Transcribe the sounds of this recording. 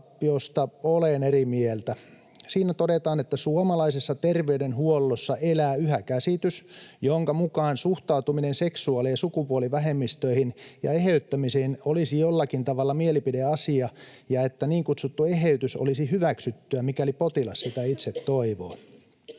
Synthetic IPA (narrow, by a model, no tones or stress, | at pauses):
pːiost̪ɑolenerimielt̪æ | siːnæt̪odet̪ɑːnet̪ːæsuomɑlɑisesːɑt̪erʋeydenhuolːosːɑʔelæːyhækæsit̪ysjoŋkɑmukɑːnsuht̪ɑut̪uminenseksuɑleːsukupuoliʋæɦemːist̪øihinjɑ̰eɦeyt̪ːæmisenolisijolːɑkint̪ɑʋɑlːɑmielipideɑsiɑ | jɑet̪ːæniːŋkut̪sut̪ːueɦeyt̪yso̰lisihyʋæksyt̪ːyæmikælipot̪ilɑssit̪æit̪set̪ːoiʋo̰ː